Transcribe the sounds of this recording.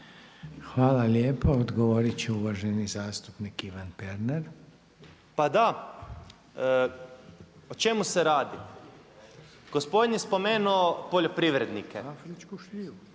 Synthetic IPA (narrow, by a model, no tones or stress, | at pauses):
xʋaːlaljeːpood̪ɡoʋoɾit͡ɕeuʋaʒenizaːst̪upnikiʋanpeɾneɾ | pad̪a | ot͡ʃe̞museɾaːd̪i | ɡ̥ospo̞d̪ɲespo̞meːnuopoʎopɾiʋɾed̪nike